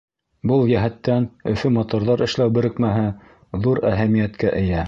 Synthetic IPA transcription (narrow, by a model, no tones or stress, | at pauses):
bɤlˠjæɦæt̪ːænɵ̆fɵmot̪ŏɾðɑɾɘ̆ʃlæwbɘ̆ɾɘ̆kmæɦɘ | ðuɾæɦæmijæt̪kæʔɘ̆jæ